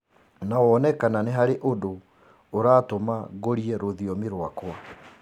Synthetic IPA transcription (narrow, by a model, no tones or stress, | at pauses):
naowɔnɛkananeɦaɾeʔodo | oɾaːtomaɣoɾiɛɾoðiɔmeɾwakwa